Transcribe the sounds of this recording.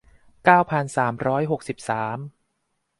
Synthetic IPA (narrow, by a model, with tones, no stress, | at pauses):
kaː˥˩wpʰa˧nsaː˩˦mɾɔː˦˥jɦo˨˩k̚si˨˩p̚saː˩˦m